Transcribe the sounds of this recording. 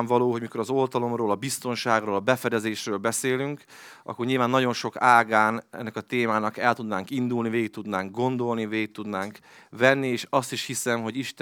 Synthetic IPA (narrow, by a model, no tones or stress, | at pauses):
ɱvɒloːɦo̞ɟmiko̞ɾɒzo̞lt̪ɒlo̞mroːlɒbist̪o̞nʃaːɡroːlɒbɛfɛd̪ɛzeːʃrøːlbɛseːlyŋk | ɒ̰kːorɲilvaːnːɒɟo̞nʃo̞kaːɡaːnɛ̰nːɛkɒt̪eːmaːnɒkɛlt̪ud̪naːŋkind̪ulniveːɡik̚t̪ud̪naːŋɡ̚ɡo̞nd̪o̞lniveːik̚t̪ud̪naːŋk | vɛnːieːʃɒst̪iʃhisɛmɦo̞ɟiʃt̪